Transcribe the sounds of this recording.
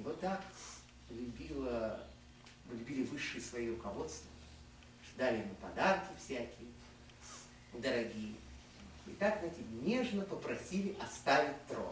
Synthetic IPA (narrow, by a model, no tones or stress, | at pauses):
vot̪ːak | lʲʊbʲilˠə | vlʲʊbʲilʲɪvɨʂːɨjəsvɐjiɾʊkɐvo̞t̪st̪və | ʂod̪alʲɪjɪmupɐd̪arkʲɪfsʲækʲɪjə | d̪əɾɐɡʲijə | ɪt̪akzɛtʲɪnʲe̞ʐnəpəpɾɐsʲilʲɪʔɐst̪avʲɪt̚ʲt̪ɾo̰